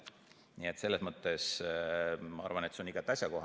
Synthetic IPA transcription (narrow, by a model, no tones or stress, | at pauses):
nie̞t̪se̞lːesmɤt̪ːˑe̞s | mɑɑ̰ɾrvɑnet̪seniɡ̥ɑt̪ːˑɑsʲjɑko̞ɦɑ